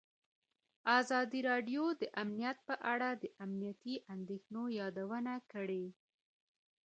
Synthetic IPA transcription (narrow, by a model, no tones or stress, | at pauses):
azɑd̪iɾɑɖjod̪əʔamnijat̪̚pəʔaɽad̪əʔamnijat̪iʔand̪exnojɑd̪awənakəɽe